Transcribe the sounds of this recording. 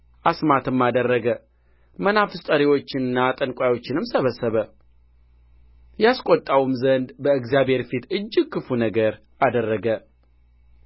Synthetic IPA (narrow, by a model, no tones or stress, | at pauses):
ʔasmat̪ɨmːad̪ərːəɡə | mənafɨst̪ʼəɾiwo̞t͡ʃːɪnɨnːat̪ʼənkʷʼajo̞t͡ʃːɪnɨmsəβəsːəβə | jaskʷʼot̪ʼːawumzənd̪bəɨɡzjabhe̞ɾfit̪ɨd͡ʒːɪkʰːɨfunəɡəɾ | ad̪ərːəɡə